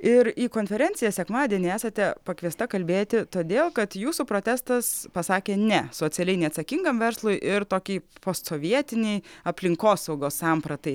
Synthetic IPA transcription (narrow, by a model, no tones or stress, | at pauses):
ɪɾiːkoːnʲfʲɛɾʲɛnʲt͡ssʲɪjɛsʲɛkmɑːd̪ʲiɛnʲɪæːsɐt̪ʲɛpɐkʋʲiɛst̪ɐkɐlʲbʲeːt̪ʲɪt̪oːd̪ʲeːlˠkɐt̪juːsuːpɾoːt̪ʲæːst̪ɐspɐsɑːkʲeːnʲɛsoːt̪sʲɛlʲɛɪnʲɛɪɐt̪sɐkʲɪŋɡɐmʋʲɛɾslˠʊjʔɪɾt̪oːkʲiːpoːst̪soːʋʲiɛt̪ʲɪnʲɛɪɐpʲlʲɪŋkoːsɐʊɡoːssɑːmpɾɐt̪ɐɪ